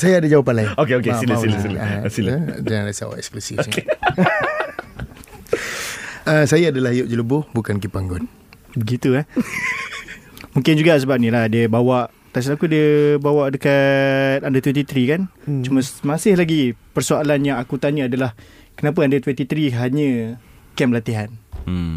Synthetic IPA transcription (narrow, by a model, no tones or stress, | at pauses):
sajaːdad͡ʒawapanlaɪnokeokesilasilasiləsiləd͡ʒaaasa̰wa̰ʔɛkspɾəsioke | əsajaːdalahidʊp̚d͡ʒələbʊhbukankipaŋɡɔn | bəɡit̪ua | mũŋkɪnd͡ʒuɡas̬əbap̚nĩlahdiəbawaʔ | t̪as̬lakudiəbawaʔdəkat̪andat̪wɛnt̪it̪ɾikant͡ʃuməsmasɪhlaɡipərsualanjaŋakut̪aɲəadalah | kənap̬əandat̪wɛnt̪it̪ɾiɦaɲə | kɛmlat̪iɦan